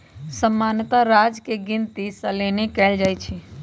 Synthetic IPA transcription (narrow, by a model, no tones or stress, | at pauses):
səmːaːnət̪aɾaːd͡ʒkeɡɪnt̪isəleːnekɛːld͡ʒaːjt͡ʃʰi